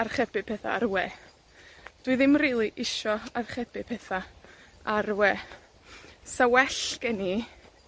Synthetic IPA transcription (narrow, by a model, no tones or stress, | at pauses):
arχɛbɨpʰɛθa̰arwɛː | d̥wɨðɪmriːlˠiʔɪʃɔarχɛbɪpʰɛθa | arwɛː | sawɛɬkɛni